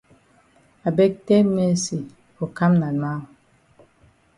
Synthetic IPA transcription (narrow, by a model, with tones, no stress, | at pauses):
a˨be˦k̚te˦me˦si˨ | o˨ka˦mna˨na˦˨